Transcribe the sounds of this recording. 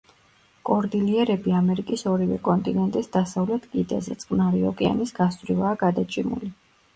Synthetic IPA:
kʼɔɾd̪iliɛɾɛbiamɛɾikʼisɔɾivɛ̰kʼɔnt̪ʼinɛnt̪ʼisd̪asavlɛt̪ʰkʼid̪ɛ̰zɛ̰t̪sʼqʼnaɾiɔkʼɛa̰nisɡasvɾivaːɡad̪at͡ʃʼimṵli

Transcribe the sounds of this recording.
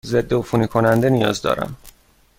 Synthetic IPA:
ze̞d̪ːoofunikʰo̞nænd̪e̞nijɒːzd̪ɒ̰ːɾæ̰m

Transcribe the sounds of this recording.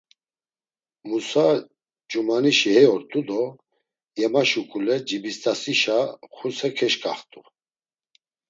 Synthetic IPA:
musa | d͡ʒumaniʃihɛjɔɾt̪ʼud̪ɔ | jɛmaʃukʼulɛd͡ʒibist̪ʼasiʃaχusɛkʰɛʃkʼaχt̪ʼu

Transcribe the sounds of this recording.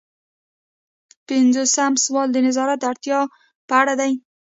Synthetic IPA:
pɪnzosamswɑld̪ənɪzɑɾat̪̚d̪aɾt̪jɑ | paɽad̪aj

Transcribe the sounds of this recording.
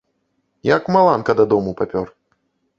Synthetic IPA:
jakmalˠankɐd̪ad̪ɔmupapʲɔr

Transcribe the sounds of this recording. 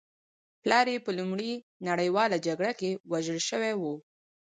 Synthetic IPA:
plɑɾepəlumɽi | naɽəjwɑlad͡ʒaɡɽakewaʒəlʃəwɛwu

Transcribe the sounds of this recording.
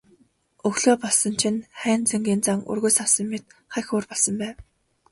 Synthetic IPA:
ɵɣɮoːpɔɮsɞ̆nt͡ɕʰĭnχæːnt͡seŋɡʲiːnt͡saŋɵ̰rɣɵjsawsə̆mmet̪̚χæxʲʊːrpɔɮsə̆mpæː

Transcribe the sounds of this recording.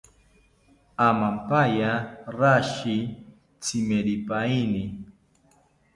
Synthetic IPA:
amampajaɾaʃi | t͡sɪmeɾipainɪ

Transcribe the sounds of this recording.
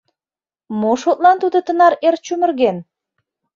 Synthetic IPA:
moʃot̪̚lɑnt̪ud̪ət̪ənɑɾert͡ɕumərɣen

